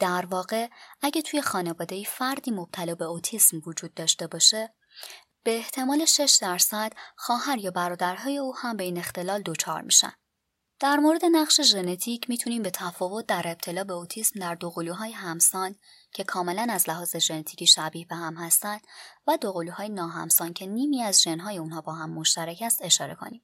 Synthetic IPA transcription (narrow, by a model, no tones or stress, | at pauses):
d̪̥æɾvɒːɣe̞æɟæt̪ʰuːje̞xɒːne̞vɒːd̪e̞ifæɾd̪iːmo̞b̥̚t̪ʰælɒːbe̞ot̪ʰiːsmvod͡ʒuːd̪̚ːɒːʃt̪e̞bɒːʃe | b̥e̞ːht̪ʰe̞mɒːle̞ʃe̞ʃd̪æɾsæd̪̥xɒːɦæɾjɒːbæɾɒːd̪æɾɦɒːje̞uːhæmbeiːne̞xt̪e̞lɒːld̪o̞t͡ʃʰɒ̰ɾmḭʃæ̰n | d̪̥æɾmoɾe̞d̪e̞næʁʃe̞ʒe̞ne̞t̪ʰiːcʰmiːt̪ʰuniːmbe̞t̪ʰæfɒːvo̞t̪̚ʰd̪æɾe̞b̚t̪ʰe̞lɒːbe̞ot̪ʰiːsmd̪æɾd̪oɣoluːɦɒːjeɦæmsɒːn | cʰe̞kʰɒːme̞lænæzlæɦɒːze̞ʒe̞net̪ʰi̥ciːʃæbiːhbe̞hæmhæst̪ænd̪̥væd̪oɣoluːhɒːjenɒːɦæ̰msɒːncʰe̞niːmiːæzʒe̞nɦɒːje̞unɦɒːbɒːɦæmːo̞ʃt̪æɾæcʰæst̪e̞ʃɒːɾe̞̰kʰo̰niːm